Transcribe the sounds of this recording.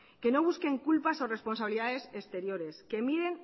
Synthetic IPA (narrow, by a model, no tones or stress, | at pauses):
ke̞no̞β̞uske̞ŋkulpaso̞re̞spo̞nsaβiliðaðe̞sest̪e̞ɾjo̞ɾe̞ske̞miðe̞n